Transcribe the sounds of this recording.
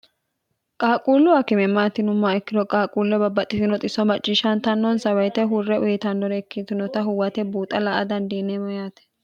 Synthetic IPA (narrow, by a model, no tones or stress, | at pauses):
kʼaːkʼuːlːʊwakɪmɛmːaːt̪ːɪnʊmːaɛkːɪd̪ɔkʼaːkʼuːlːɛbɐbːɐt̪ʼːɪsɪnɔt̪ʼɪsɔmɐt͡ʃʼːɪʃɐnt̪ɐnːɔnsɐwɐjt̪ɛɦʊrːɛʔʊjɛt̪ɐnːɔɾɛɛkːit̪ʊnɔt̪ɐɦʊwɐt̪ɛbuːt̪ʼːɐlɐʔɐd̪ɐnd̪iːnːɛmɔjaːt̪ɛ̥